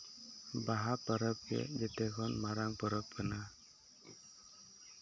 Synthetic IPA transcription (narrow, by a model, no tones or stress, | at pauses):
baɦapəɾəp̚ɡɛ̰d͡ʒɛt̪ɛɡʰɔnmaɾaŋpəɾəp̚kəna